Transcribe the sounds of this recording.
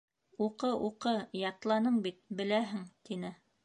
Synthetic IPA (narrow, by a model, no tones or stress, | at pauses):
uqɤʔuqɤjɑt̪lˠɑnɤɴbit̪̚bɘ̆læɦɘŋt̪inɘ